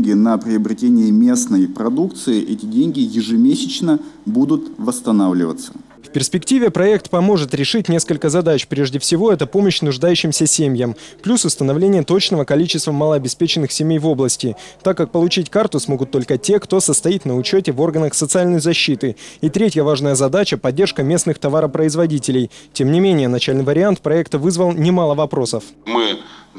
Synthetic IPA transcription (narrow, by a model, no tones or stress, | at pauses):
ɡʲɪnəpɾʲɪəbɾʲɪtʲenʲɪɪmʲe̞snəjpɾɐd̪ukt̪sɨɪʔɛtʲɪdʲenʲɡʲɪjɪʐɨmʲesʲɪt͡ɕnəbud̪ʊt̪vəst̪ɐnavlʲɪ̰və̰t̪sə̥ | fpʲɪrsʲpʲɪktʲivʲɪpɾɐɛk̚t̪pɐmo̞ʐɨt̪ɾʲɪʂɨtʲnʲe̞skəlʲkəzɐd̪at͡ɕpɾʲeʐdʲɪfsʲɪvo̞ɛt̪əpo̞məɕnʊʐd̪ajʉɕːɪmsʲəsʲemʲjəmplʲusʊst̪ənɐvlʲenʲɪjət̪o̞t͡ɕnəvəkɐlʲit͡ɕɪst̪vəməlˠəɐbʲɪspʲet͡ɕɪnːɨxsʲɪmʲejvo̞blˠəsʲtʲɪt̪akːak̚pəlˠʊt͡ɕitʲkart̪ʊsmo̞ɡʊt̪ːo̞lʲkətʲe̞kt̪o̞səst̪ɐitʲnəʊt͡ɕotʲɪvo̞rɡənəxsət̪sɨalʲnəjzɐɕːit̪ɨit̪ɾʲetʲjəvaʐnəjəzɐd̪at͡ɕəpɐdʲːe̞rʂkəmʲe̞snɨxt̪ɐvaɾəpɾəɪzvɐdʲitʲɪlʲɪjtʲemnʲɪmʲenʲɪjənɐt͡ɕalʲnɨɪjvəɾʲɪant̪pɾɐɛkt̪əvɨzvəlˠnʲɪmalˠəvɐpɾo̞səfmɨ